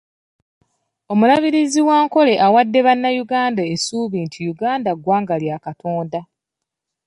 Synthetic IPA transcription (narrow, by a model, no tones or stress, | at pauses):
o̞mulaβiɾiziwaːŋko̞le̞ʔawadːe̞βanːajuɡaːndaesuːβiːntʰijuɡaːndaɡwaːŋɡaljaːkatʰo̞ːnda